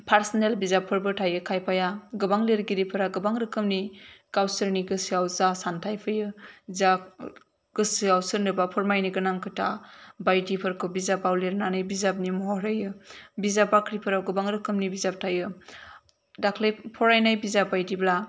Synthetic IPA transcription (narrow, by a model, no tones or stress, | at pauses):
pʰaɾsnelbizapʰːɯɾbɯtʰajɯkʰajpʰajaɡɯbaŋleɾɡiɾipʰɯɾaɡɯbaŋɾɯkʰɯmnikawsɯɾniɡɯsiawzasantʰajpʰɯjɯza | ɡ̥ɯsiawsɯɾnɯbapʰɔɾmajniɡɯnaŋkʰɯtʰa̰bajdipʰɯɾkʰɯbizapawleɾnanɯjbizap̚nimɔɦɔɾajɯbizapːakʰɾipʰɯɾawɡɯbaŋɾɯkʰɯmnibizap̚tʰajɯ | dakʰlejpʰɔɾajnajbizabajdibla